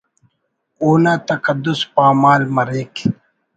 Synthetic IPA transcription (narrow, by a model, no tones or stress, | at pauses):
oːnaːt̪ɐkɐd̪ːʊspaːmaːlmɐɾeːk